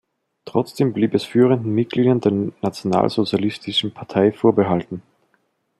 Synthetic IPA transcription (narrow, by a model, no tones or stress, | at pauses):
tʁ̥ɔt͡sd̥eːmbliːpɛsfyːʁ̞əndn̩mɪt̚ɡ̥liːdɐndeːɐnat͡sjona̰ːlz̥ot͡sjalɪstɪʃn̩pʰaɐtʰaɪfoːɐbəɦaltn̩